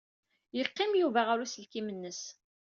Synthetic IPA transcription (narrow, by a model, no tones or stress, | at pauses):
jəqːɪmjuvæʁaɾusəlkimənːəs